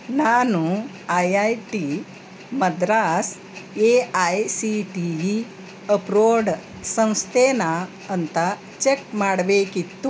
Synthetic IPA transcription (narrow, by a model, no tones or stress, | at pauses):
naːnũ | ajajʈi | mɐd̪ɾaːs | eajsiʈiʋi | əpɾoːɽ | sə̃w̃st̪ʰena | ənt̪a | t͡ʃek̚maːɽʋekit̪ːu